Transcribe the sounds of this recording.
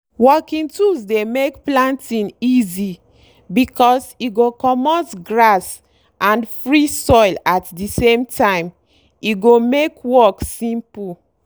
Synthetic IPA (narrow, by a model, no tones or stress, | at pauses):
wɔkĩntusdemekplãntĩnizi | bikʰɔsiɡokɔmɔsɡɹas | ʔãnfɹisɔɪlatdisẽmtʰãɪ̃m | iɡomekwɔksĩmpu